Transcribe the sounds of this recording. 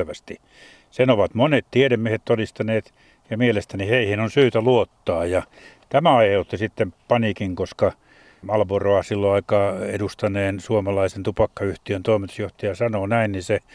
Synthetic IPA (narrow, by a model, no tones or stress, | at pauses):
ʋæst̪i | senoʋɑt̪monet̪t̪ieɾemːiehet̪t̪odist̪ɑneːt̪ | jɑmielest̪æniheihinonsyːt̪æluot̪ːɑːjɑ | t̪æmæɑihelt̪ːisit̪ːempɑnikiŋkoskɑ | mɑlʋoroɑsilːoɑikɑːḛdust̪ɑneːnsuomɑlɑisent̪upɑkːɑyht̪iønt̪oimit̪u̥sjoht̪ɑjɑsɑnoːnæinnise